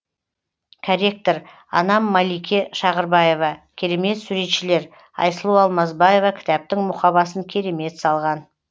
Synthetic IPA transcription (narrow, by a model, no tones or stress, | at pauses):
kʰaɾʲe̞k̚t̪oɾ | ɑ̰nɑmːalijkʲe̞ʃɑʁəɾbɑje̞vɑkʲʰe̞ɾe̞me̞t̪suɾe̞t̪ʃɪle̞ɾ | ɑ̰jsəlˠuɑlˠmɑzbaje̞vɑkʲʰɪ̥t̪ɑp̚t̪ɪŋmʊχqɑbɑsəŋkʲʰe̞ɾe̞me̞t̪sɑlˠʁɑn